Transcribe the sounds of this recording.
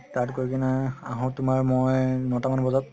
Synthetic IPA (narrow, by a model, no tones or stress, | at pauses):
tatkoɹkʰinaaɦɔ̃tʊmaɹmojnɔtamanbɔzat̚